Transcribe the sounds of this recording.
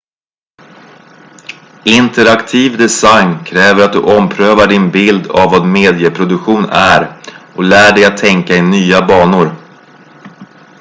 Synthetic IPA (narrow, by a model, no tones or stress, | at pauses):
ɪnt̪əɾakt̪ʰiːvd̪ɛsajnkʰɾɛːvəɾat̪̚d̪ɵʔɔmpʰɾøːvaɖɪnbɪld̪a̰vːɑːd̪meːd̪ɪjəpʰɾʊd̪ɵkɧuːnæɾɔlæːɖɛjat̪ʰːɛŋkaɪnyːabɑːnʊɾ